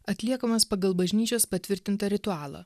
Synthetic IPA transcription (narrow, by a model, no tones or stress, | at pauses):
ɐt̪ʲlʲiɛkɐmɐspɐɡɐlˠbɐʒʲnʲiːt͡ʃʲoːspɐt̪ʲʋʲɪɾʲt̪ʲɪnt̪ɐɾʲɪt̪ʊɑːlˠɐ̰ː